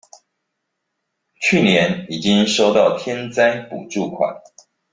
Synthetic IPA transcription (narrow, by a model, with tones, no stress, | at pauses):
t͡ɕʰy˥˨˩njɛ˧˦ni˨˩t͡ɕi˦ŋʂo˥ʊt̪ɑ˥˨ʊt̪ʰjɛ˥˦nt͡sa˥ɪpṵ˨˩ʈ͡ʂu˥˩kʰwa̰˨˩˦n